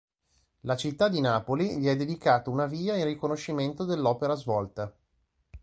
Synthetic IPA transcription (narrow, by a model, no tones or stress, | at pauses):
lat͡ʃit̪ːad̪ːinaːpoliʎiɛd̪ːed̪ikaːt̪ounaviːairrikonoʃːiment̪od̪elːɔːpeɾazvɔlt̪a